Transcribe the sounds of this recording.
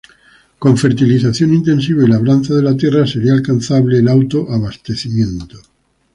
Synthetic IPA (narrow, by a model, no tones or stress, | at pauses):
kõ̞ɱfe̞ɾt̪iliθaθjonĩnt̪ẽ̞nsiβailaβɾanθaðelat̪je̞rase̞ɾialkanθaβleːlawt̪oʔaβast̪e̞θimjẽ̞nt̪o̥